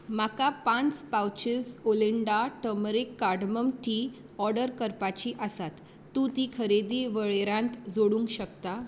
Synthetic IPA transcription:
makapãnt͡spawt͡ɕisoliɳɖaʈəmɾikːaɖməmʈi | ɔɾɖəɾkəɾpat͡ɕiʔəsat̪ː | ũt̪ikʰəɾed̪iʋəɭeɾãnt̪d͡zoɽũŋkɕək̚t̪a

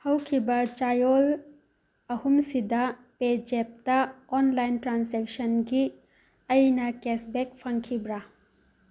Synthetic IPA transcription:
hɐwkʰibɐt͡ʃajol | ɐhumsidɐ | ped͡ʒep̚tɐɔnlajntɾansek̚sɐnɡi | ɐjnɐkesbek̚pʰɐŋkʰibɾa

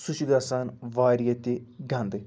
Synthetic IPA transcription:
sʊʃɡ̪aːsaːnʋaːɾijat̪iɡãnd̪e

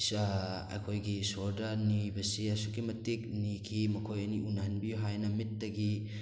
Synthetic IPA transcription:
sa | ɐ̰kʰojɡisoɾdɐnijbɐsiɐsuɡimɐtik̚nikʰimɐkʰojɐniʔunɦɐnbiuɦajnɐmit̚ːɐɡi

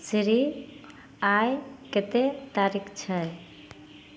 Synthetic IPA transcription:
sɾi | ajket̪et̪aɾikʰt͡ʃʰə

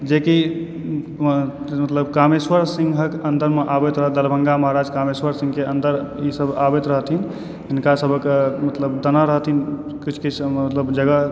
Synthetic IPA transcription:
d͡ʒeki | mət̪ləbkameswəɾsiŋɡʱɦəkənd̪əɾmeʔabet̪ɾəɦəd̪əlbʱə̃ŋɡaməɦaɾad͡ʒkameswəɾsĩŋɡkeənd̪əɾisəbabet̪ɾəɦət̪in | ɦɪnkasəbʱəkmət̪ləbd̪ənaɾəɦət̪in | kit͡ʃʰkit͡ʃʰmət̪ləbd͡ʒəɡə

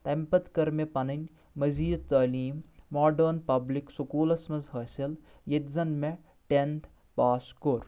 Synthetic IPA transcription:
t̪ɐmpɐt̪kɐɾmepɐnɐnʲ | mɐziːd̪̚t̪ɐːliːmːaːɖɐɾnpɐbliksukuːlɐsmɐzɦɐsɐl | jet̪zɐnme | ʈent̪ʰ | paːskoːɾ

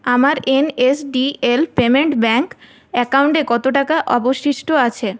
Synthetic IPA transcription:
amaɾenesɖielpemeɳʈbɛŋk | ɛkawɳʈekɔt̪oʈakaʔɔboʃiʃʈoat͡ɕʰe

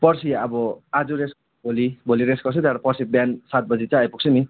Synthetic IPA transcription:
pʌrsiʌbʌad͡zures | bʱolibʱoliɾesɡʌrsʰʌt̪aɾʌpʌrsibjansat̪̚bʌd͡zit͡sãʌjpuk̚sʰʌmi

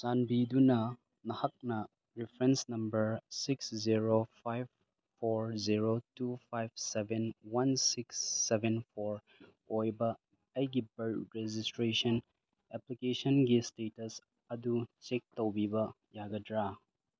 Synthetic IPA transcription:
sanbidunɐ | nɐhɐk̚nɐ | ɾipʰɾensnɐmbɐɾsiksziɾopʰajb̚ | pʰːoɾziɾotupʰajb̚sebenwansiksːebʱenpʰoɾ | ojbɐː | jɡibɐɾɾezistɾesɐn | eplikesɐnɡistetɐs | ɐdut͡ʃek̚towbibɐ | jaɡɐdɾa

